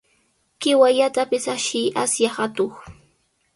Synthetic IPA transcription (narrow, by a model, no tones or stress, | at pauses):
kɪwaʎat̪apɪsaʃɪjʔasjahat̪oχ